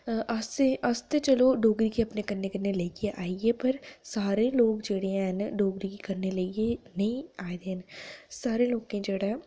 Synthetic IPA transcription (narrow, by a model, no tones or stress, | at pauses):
əseəst̪et͡ʃəloɖoːɡɾikeɐpnekɐɾnekəɾneləieʔaːiepəɾsaːɾeloːkd͡ʒeːɽeãɦənɖoːɡɾikikəɾneləienɐɦĩaːed̪eːɦənsaːɾeloːkẽd͡ʒeːɽa